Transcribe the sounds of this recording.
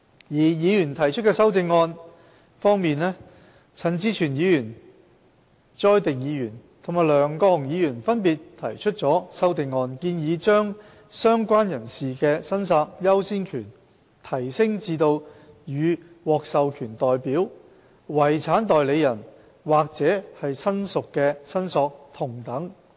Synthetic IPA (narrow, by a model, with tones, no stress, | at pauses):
jiː˨˩jiː˨˧jyː˨˩nt̪ʰɐ˨˩jt͡ʃʰɵ˥kɛː˧sɐ˥wt͡sɪ˧ŋːɔː˧n | fɔː˥ŋmiː˨nlɛː˥ | t͡sʰɐ˨˥nt͡siː˥t͡ʃʰyː˨˩njiː˨˧jyː˨˩n | t͡sɔː˥jt̪ɪ˨ŋjiː˨˧jyː˨˩nt̪ʰo˨˩ŋmaː˨˩jlœː˨˩ŋkɔː˧hʊ˨˩ŋjiː˨˧jyː˨˩nfɐ˥npiː˨tt̪ʰɐ̰˨˩jt͡ʃʰɵ˥t̚t͡sɔː˨˥sɐ˥wt̪ɪ˧ŋːɔː˧nkiː˧njiː˨˧t͡ʃœː˥ŋ | sœː˥ŋkʷaː˥njɐ˨˩nsiː˨kɛ˧sɐ˥nsaː˧k̚jɐ˥wsiː˥nkʰyː˨˩n | t̪ʰɐ˨˩jsɪ˥ŋt͡siː˧t̪o˧w | jyː˨˧ | wɔː˨k̚sɐ˨wkʰyː˨˩nt̪ɔː˨jpiː˨˥w | wɐ˨˩jt͡sʰaː˨˥nt̪ɔː˨jle˨˧jɐ˨˩n | waː˨˩k̚t͡sɛː˨˥hɐ˨jsɐ˥nsʊ˨kːɛː˧sɐ˥nsɔː˧k̚t̪ʰʊ˨˩ŋt̪ɐ˨˥ŋ